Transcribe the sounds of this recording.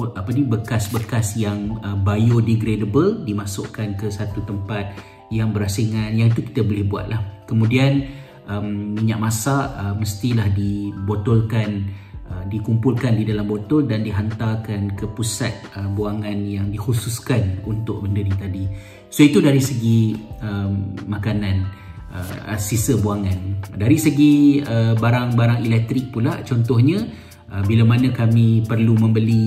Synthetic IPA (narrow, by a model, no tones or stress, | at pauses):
ʔapanibəkasbəkasjaŋəbajodiɡɾedəbəldimasʊ̰ʔkankəsat̪ut̪əmpat̪̚ | jaŋbəɾasiŋanjaŋit̪uki̥t̪abolɪhbua̰t̪̚lahkəmũdian | ʔəmːiɲaʔ̚masaəməst̪ilahdibot̪ɔlkanədikumpulkandidalambot̪ɔldandiɦant̪akankəpusat̪̚əbuaŋanjaŋdihususkanunt̪ʊk̚bəndənit̪adi | soit̪udaɾisəɡiəmːakanan | ə̰sisəbuaŋandaɾisəɡiəbaɾaŋbaɾaŋilɛk̚t̪ɾɪk̚pulat͡ʃɔnt̪ɔhɲã | ʔəbilamanãkamĩpərlumə̃mbəli